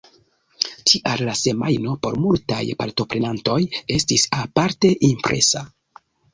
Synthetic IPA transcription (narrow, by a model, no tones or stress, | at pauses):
t͡ʃiʔallase̞majno̞po̞̰ɾmulta̰jpa̰ɾto̞pɾe̞nanto̞je̞stisapaɾte̞ʔimpɾe̞̰sa